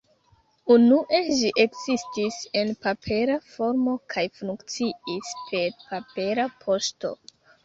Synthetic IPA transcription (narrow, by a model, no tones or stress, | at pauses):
unuʔe̞ʒiʔe̞kzistise̞npapʰe̞ɾafo̞ɾmo̞kʰajfuŋkt͡siispʰe̞ɾpape̞ɾapʰo̞sto̞̰